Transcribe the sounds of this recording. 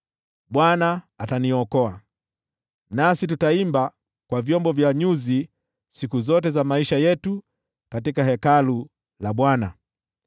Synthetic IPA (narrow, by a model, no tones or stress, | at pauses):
ɓwanaː | taniɔkɔa | nasitutaimba | kwavjɔmbɔvjaɲuzi | sikuzɔtɛzamaiʃajɛtu | katikaɦɛkalu | laɓwana